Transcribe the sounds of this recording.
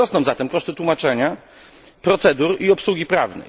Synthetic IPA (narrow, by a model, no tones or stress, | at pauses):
ɔsnɔ̃w̃zat̪ɛmkɔʂt̪ɘt̪wumat͡ʂɛɲa | pɾɔt̪sɛd̪uɾiɔpswuɡʲipɾavnɛ̰j